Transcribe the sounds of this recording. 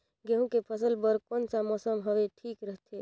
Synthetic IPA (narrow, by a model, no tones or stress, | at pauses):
ɡeɦũkepʰəsəlbəɾkoːnsamɔːsəmɦəʋeʈʰiːkɾəɦt̪ʰe